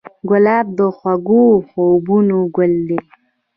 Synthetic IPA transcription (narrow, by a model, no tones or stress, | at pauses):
ɡʊlɑːb̚d̪əxwaɡuxobunoɡʊld̪e